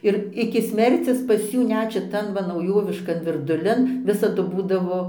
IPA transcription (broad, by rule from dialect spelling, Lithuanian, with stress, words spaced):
ɪr ɪkʲɪ ˈsʲmʲɛrʲt͡sʲɪs pɐs ˈjuː ˈnʲɛt ʃʲɪˈtɐn ʋɐ nɐʊˈjoːʋʲɪʃkɐn ʋʲɪrdʊˈlʲɪn ˈʋʲɪsɐdʊ ˈbuːdɐʋoː